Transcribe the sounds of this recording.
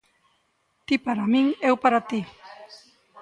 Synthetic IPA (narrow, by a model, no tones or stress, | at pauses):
t̪ipaɾamiŋewpaɾat̪i